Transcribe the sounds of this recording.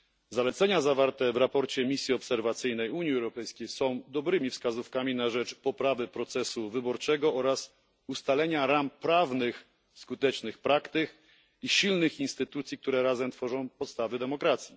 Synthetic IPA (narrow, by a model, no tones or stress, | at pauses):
zalɛt̪sɛɲazavaɾt̪ɛvɾapɔɾt͡ɕɛmʲisʲjiɔpsɛɾvat̪sɘjnɛjuɲjiɛwɾɔpɛjskʲejsɔ̃w̃d̪ɔbɾɘmʲifskazufkamʲinaʐɛt͡ʂpɔpɾavɘpɾɔt̪sɛsuvɘbɔɾt͡ʂɛɡɔʔɔɾas | ust̪alɛɲaɾampɾavnɘx | skut̪ɛt͡ʂnɘxpɾakt̪ɘk | iɕilnɘxinst̪ɘt̪ut̪sʲjik̚t̪uɾɛɾazɛmt̪fɔʐɔ̃w̃pɔt̪st̪avɘd̪ɛmɔkɾat̪sʲji